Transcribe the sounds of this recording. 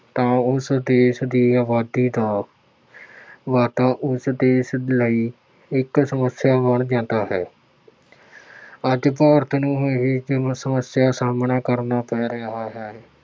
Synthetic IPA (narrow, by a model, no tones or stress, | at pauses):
t̪ãːʊsd̪eːʃd̪iːaːʋaːd̪iːd̪aː | ʋaːt̪ãːʔʊsd̪eːʃləiː | ɪksəməsjaːbəɳd͡ʒãːd̪aːɦɛː | əd͡ʒpaːʋəɾət̪ʰnũːɦoeɦiːɪ̃səməsjaːsaːmnaːkəɾnaːpɛːɾəaːɦɛːɛː